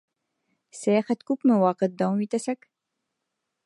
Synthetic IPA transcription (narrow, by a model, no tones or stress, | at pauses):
sæjæχæt̪kʉpmɘwɑqɤ̆t̪̚d̪ɑuit̪æsæk